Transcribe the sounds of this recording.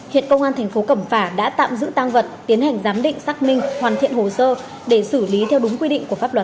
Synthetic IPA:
hḭ˧˨ənkə˧wŋ͡mʔaː˧nt̪ʰɛ˨˩jŋ̟fo˨˦kə˧˩mfaː˧˩ɗa̰ː˧˥t̪a̰ː˧˨mzɨ̰˧˥t̪aː˧ŋvə˨˩t̚t̪i˨˦ənha˨˩jŋ̟zaː˨˦mɗḭ̈˧˨ŋ̟saː˦˥k̚mï˧ŋ̟hwaː˨˩nt̪ʰḭ˧˨ənho˨˩səː˧ | ɗe˧˩sɨ˧˩li˨˦t̪ʰɛ˧wɗʊ˨˦ŋ͡mkwi˧ɗḭ̈˧˨ŋ̟ku˧˩faː˦˥p̚lwə˨˩t̚

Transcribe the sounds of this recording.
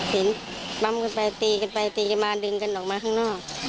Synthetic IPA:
se˨˦nba˧˥mka˧npa˧jt̪iː˧ka˧npa˧jt̪iː˧˩ka˧nmaː˧dɯ˧˨ŋka˧˨nʔɔː˨˩k̚maː˧kʰaː˧˥˩ŋnɔː˥˩k̚

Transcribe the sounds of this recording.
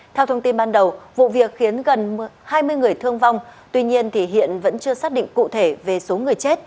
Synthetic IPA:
t̪ʰɛ˧wt̪ʰə˧wŋ͡mt̪i˧nɓaː˧nɗə˨˩wvṵ˧˨vi˨˩ək̚xi˨˦ənɣə˨˩nhaː˧jmɨ˧əjŋɨ˨˩əjt̪ʰɨ˧əŋva˧wŋ͡mt̪wi˧ɲi˧ənt̪ʰi˨˩ɦḭ˧˨ənvə̰˧˥nt͡ɕɨ˧əsaː˦˥k̚ɗḭ˧˨ŋ̟kṵ˧˨t̪ʰe˧˩ve˨˩so˨˦ŋɨ˨˩əjt͡ɕe˦˥t̚

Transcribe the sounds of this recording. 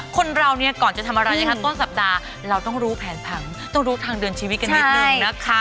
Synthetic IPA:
kʰo˧nɾa˧wni˥˩ɐkɔː˨˩nt͡ɕa˨˩t̪ʰa˧mʔa˧ɾa˧jna˦˧˥ka˥t̪o˥˩nsa˨˩p̚daː˧ | ɾa˧wt̪ɔ˥˩ŋɾuː˦˥pʰɛː˩˦npʰa˨˩˦ŋ | t̪ɔ˥˩ŋɾuː˦˥t̪ʰaː˧ŋdɯː˧ənt͡ɕʰiː˧wi˦˥ka˧t͡ɕna˨˦˥na˦˥kʰa˦˥

